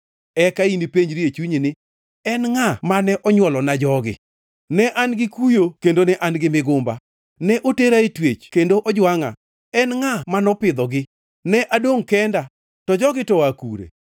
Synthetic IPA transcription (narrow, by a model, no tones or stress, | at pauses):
ɛkainipeɲɾiet͡ʃuɲinɪ | ɛnŋamanɛʔɔɲwɔlɔnad͡ʒɔɡɪ̰ | nɛʔanɡɪkujokendonɛʔanɡɪmɪɡʊmba | nɛʔoteɾaetwet͡ʃkendoʔɔd͡ʒwaŋa̰ | ɛnŋamanɔpɪd̪ɔɡɪ | nɛʔadoŋkɛnda | tɔd͡ʒɔɡɪtɔakṵɾḛ